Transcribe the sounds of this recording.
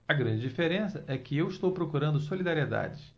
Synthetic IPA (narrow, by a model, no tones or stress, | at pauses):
ɐɡɾɐ̃d͡ʒɪd͡ʒifeɾẽsɐʔɛkɪewiʃt̪owpɾokuɾɐ̃nd̪ʊsolid̪aɾied̪a̰d͡ʒɪ